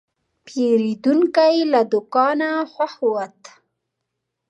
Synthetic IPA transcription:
pjeɾid̪uŋkajlad̪ʊkɑnaxwahwat̪

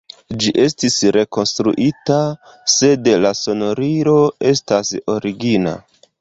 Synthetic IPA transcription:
d͡ʒiʔe̞stisɾe̞ko̞nstɾuʔita | se̞dlaso̞no̞ɾiɾo̞e̞staso̞ɾiɡina̰

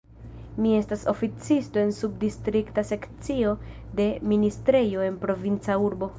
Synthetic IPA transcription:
mie̞staso̞fit͡sisto̞e̞nsub̚distɾiktase̞kt͡sio̞ | de̞ministɾe̞jo̞e̞npɾo̞vint͡sauɾbo̞

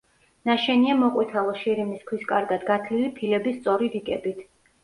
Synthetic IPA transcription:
naʃɛniamɔqʼwit̪ʰalˠɔʃiɾimiskʰwiskʼaɾɡad̪ɡat̪ʰlilipʰilɛbist̪sʼɔɾiɾikʼɛbit̪ʰ

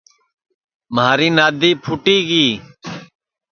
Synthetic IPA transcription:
maːɾiːnaːd̪iːpʰʊʈiːɡiː

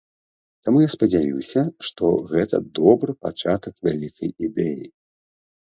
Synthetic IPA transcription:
t̪amujaspɐd͡zʲajuwsʲɐʂt̪ɔ̰ɣɛt̪ɐ̰d̪ɔbɾɨpat͡ʂat̪ɐkvʲalʲikʰɐjid̪ɛjḭ

